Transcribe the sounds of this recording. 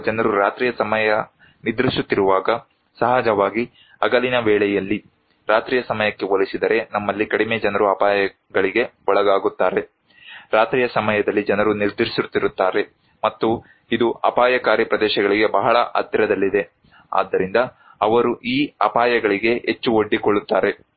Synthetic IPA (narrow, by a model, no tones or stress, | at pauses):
d͡ʒɐnɐɾuɾaːt̪ɾiːjɐsɐmɐjɐ | nid̪ɾiʃut̪ːiɾuʋaːɡɐ | sɐɦaːd͡ʒɐʋaːɡi | ɐɡɐlinɐʋɛːɭɛjɐlːi | ɾaːt̪ɾiːjɐsɐmɐjɐkːe̞ʋolisid̪ɐɾe̞nɐmːɐlːikɐɽimeːd͡ʒɐnɐɾuɐpaːjɐ | ɡɐɭiɡe̞ɔɭɐɡaːɡut̪ːaːɾe̞ | ɾaːt̪ɾijɐsɐmɐjɐd̪ɐlːid͡ʒɐnɐɾuniɾd̪ɾisit̪ːiɾut̪ːaːɾe̞ | mɐt̪ːu | id̪uɐ̰paːjɐkaːɾjɐpɾɐd̪ɛːʃɐɡɐɭiɡe̞bɐɦɐɭɐʔɐ̰t̪jɐɾɐd̪ɐlːid̪e̞ | a̰ːd̪ːɐɾind̪ɐ | ɐʋɐɾuʔiːɐpaːjɐɡɐɭiɡe̞ɦet͡ʃːuoɖːikoɭːut̪ːaːɾe̞